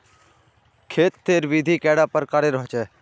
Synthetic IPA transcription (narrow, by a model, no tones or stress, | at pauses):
kʰeːt̪ːeːɾʋid̪ʱiːkɛːɽaːpəɾkaɾeɾəɦt͡ʃɛː